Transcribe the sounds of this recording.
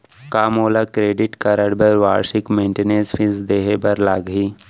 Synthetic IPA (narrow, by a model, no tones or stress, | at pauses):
kaːmoːlakɾeːɖɪʈkɐɾəɽbəɾʋa̰ːɾʃɪkmẽːɳʈeneːɾsfʰɪ̃nsd̪eːɦebɐɾlaːɡɦiː